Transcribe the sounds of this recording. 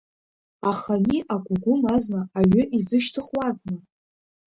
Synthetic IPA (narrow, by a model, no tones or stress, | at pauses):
aχaniʔaɡʷʊɡʷʊmaznaaɥʏʔizdɨʃtʰɨχwaznɨ